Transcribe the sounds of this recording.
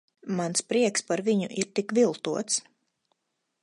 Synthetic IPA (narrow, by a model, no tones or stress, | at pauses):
manspɾiɛkspaɾviɲuʔiɾt̪ikvilˠt̪uɔt̪s